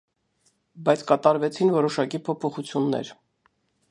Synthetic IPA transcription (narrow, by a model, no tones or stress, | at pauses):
bɑjt͡sʰkɑt̪ɑɾvɛt͡sʰinvɔɾɔʃɑkipʰɔpʰɔχut͡sʰjunːɛ̰ɾ